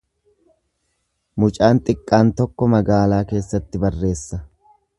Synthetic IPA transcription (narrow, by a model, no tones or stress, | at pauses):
mʊt͡ʃʼaːnt̪ʼɪkʼːaːnt̪ɔkːɔmɐɡaːlaːke̞ːsːɐt̪ːɪbɐrːe̞ːsːɐ